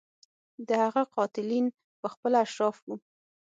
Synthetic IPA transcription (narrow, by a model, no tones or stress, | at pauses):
d̪əhaɣaqɑt̪ɪlin | pəxpəlaʃɾɑfwu